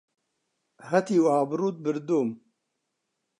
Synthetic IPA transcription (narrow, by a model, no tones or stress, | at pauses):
hɐt̪iːwaːbɾuːt̪̚bɨɾd̪oːm